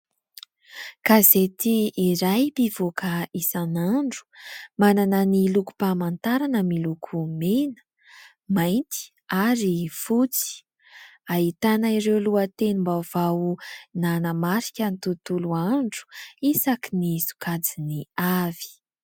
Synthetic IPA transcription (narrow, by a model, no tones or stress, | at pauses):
kazet̪iːɾajpivokaisanaɳɖ͡ʐu̥mananəniluku̥pamant̪aɾanəmilukʰumenə̥ | majnt̪i̥ | aɾifut͡si̥ | aɦit̪anaiɾewluət̪enimbavawnanəmaɾi̥kʲənit̪ut̪uluaɳɖ͡ʐu̥isakinizu̥kad͡ziniavi̥